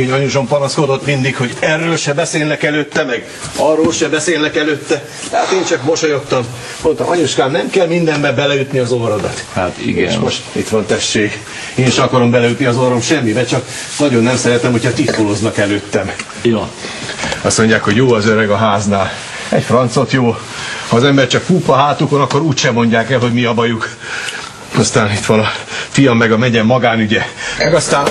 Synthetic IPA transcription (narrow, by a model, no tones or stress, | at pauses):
eɲɒɲuʒo̞mpɒnɒsko̞d̪o̞t̪mind̪ikho̞ɟɛrːøːlʃɛbɛseːlnɛkɛløːt̪ːɛmɛɡ | ɒrːoːlʃɛbɛseːlnɛkɛløːt̪ːɛ̥ | ɛat̪eːnt͡ʃɒkmo̞ʃojo̞t̪ːɒm | mont̪ɒʔɒɲuʃkaːmnɛmkɛlmind̪ɛmbɛbɛlɛjyt̪niɒzoɾod̪ɒ̰t̪hat̪ḭɡɛ̰moʃḭt̪ʋɒnt̪ɛʃʃeːɡ | eːniʃɒkɒɾo̞mbɛlɛjyt̪niɒzoɾo̞mʃɛmːibɛt͡ʃɒk | nɒɟo̞nːɛmsɛɾɛt̪ɛmho̞chɒt̪it̪koloznɒkɛløːt̪ːɛm | joː | ɒst̪mo̞ɲɟjaːkho̞ɟjoːɒzøɾɛɡɒɦaːznaːl | ɛcfrɒnt̪so̞t̪joː | hɒːzɛmbɛrt͡ʃɒkpuːpɒɦaːt̪uko̞nɒkːo̞ɾuːcʃɛmːo̞ɲɟaːkɛlɦo̞ɟmiɒbɒjuk | ɒst̪aːnit̪ʋɒnɒfijɒmːɛɡɒmɛɲɛmːɒɡaːnyɟɛmɛɡɒst̪aːn